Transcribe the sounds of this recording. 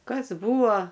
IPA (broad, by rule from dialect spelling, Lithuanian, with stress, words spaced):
ˈkɐs ˈbuːoː